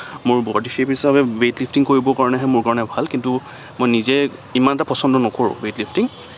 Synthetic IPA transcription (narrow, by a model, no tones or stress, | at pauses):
mʊɹbɔdixʰepisabɛwetlipʰtiŋkoɹibɔkaɹɔnɛɦɛmʊɹkaɹɔnɛbʱalkintu | mojnizɛimanɛtapɔsɔndɔnɔkoɹʊ̰̃wetlipʰtiŋ